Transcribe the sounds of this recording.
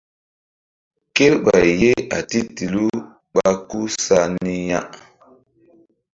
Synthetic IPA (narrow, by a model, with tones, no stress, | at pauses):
ke˦lɓa˨je˦a̰˨ti˦ti˨lu˦ | ɓa˦ku˦sa˦ni˦ja̰˦